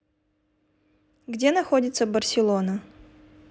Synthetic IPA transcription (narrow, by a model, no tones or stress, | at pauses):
ɡdʲenɐxodʲɪt̪səbərsʲɪlˠonə